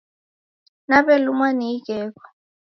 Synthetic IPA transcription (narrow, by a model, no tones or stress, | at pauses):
naɓɛlumwaniiɡ̥ʱɛːk̬ɔ̥